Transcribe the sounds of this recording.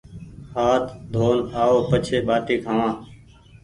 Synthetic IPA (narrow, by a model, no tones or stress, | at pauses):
haːt̪ʰd̪ʱoːnaːoːpət͡ʃʰeːɓaːʈiːkʰãːʋãː